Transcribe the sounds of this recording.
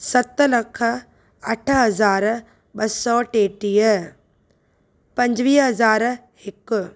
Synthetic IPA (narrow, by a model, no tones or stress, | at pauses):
sɐt̪ːlɐkʰə | ɐʈʰəɦɐzaːɾ | ɓɐsɔːʈeːʈiːjə | pɐ̃ɲd͡ʒʋiːɦɐzaːɾ | ɪk